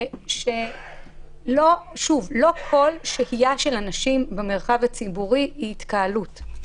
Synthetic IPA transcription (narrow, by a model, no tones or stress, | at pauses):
ʃe | loʃuvlo̞kʰo̞lʃehijaʃe̞lanaʃimbemeʁχavat͡sibuʁiiitkaalut